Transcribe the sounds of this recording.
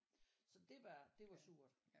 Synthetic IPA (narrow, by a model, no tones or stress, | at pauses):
sɒ̽d̥e̝ʋɑd̥e̝ʋɑ̈suːɐd̥